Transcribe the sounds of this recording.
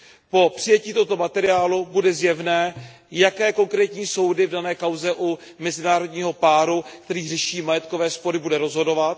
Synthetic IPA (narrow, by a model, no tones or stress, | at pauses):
po̞pr̝̥ɪjɛciːt̪oɦot̪o̞mat̪ɛɾɪaːlubudɛzjɛvnɛː | jakɛːko̞ŋkɾɛːt̪ɲiːso̞wdɪvdanɛːkawzɛʔu | mɛzɪnaːɾodɲiːɦo̞paːɾukt̪ɛɾiːrɛʃiːmajɛt̪kovɛːspo̞ɾɪbudɛɾo̞zɦo̞do̞vat̪